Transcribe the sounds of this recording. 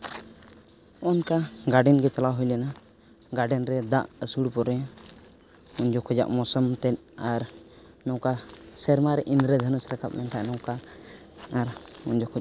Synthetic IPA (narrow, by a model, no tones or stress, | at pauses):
ɔnkaɡaɖɛnɡɛt͡ʃalaɦujlɛna | ɡaɖɛnɾɛd̪aʔəsuɽpɔɾɛ | uɲd͡ʒɔkʰɔd͡ʒa̰ʔmɔsɔmt̪ɛt̪̚ | aɾ | nɔkasɛɾmaɾɛʔinɾɛd̪ʱənəsɾakʰap̚mɛnt̪ʰaʔnɔ̃wkaː | ɾuɲd͡ʒɔkʰɔd͡ʒ